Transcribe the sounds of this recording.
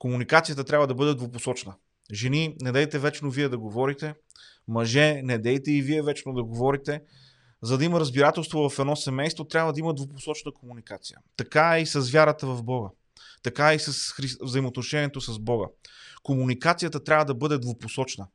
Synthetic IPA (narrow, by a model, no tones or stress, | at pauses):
komunikat̪sijət̪ət̪ɾʲabvəd̪ɐbɤd̪ɛd̪voposɔt͡ʃnə | ʒɛninɛd̪ɛjt̪ɛvɛt͡ʃnoviɛd̪ɐɡovɔɾit̪ɛ | mɐʒɛnɛd̪ɛjt̪ɛiviɛvɛt͡ʃnod̪ɐɡovɔɾit̪ɛ | zɐd̪ɐiməɾəzbiɾat̪ɛlˠst̪vovɐfɛd̪nɔsɛmɛjst̪vot̪ɾʲabvəd̪ɐiməd̪voposɔt͡ʃnəkomunikat̪sijə̰t̪ɐkaisɐzvʲjaɾət̪əvɐvbɔɡə | t̪ɐkaisɐsxɾivzəimot̪noʃɛniɛt̪osɐzbɔɡə̰komunikat̪sijət̪ət̪ɾʲabvəd̪ɐbɤd̪ɛd̪voposɔt͡ʃnə